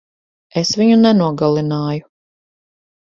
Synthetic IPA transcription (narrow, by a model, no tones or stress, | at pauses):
esviɲunɛnuɔɡalˠinaːju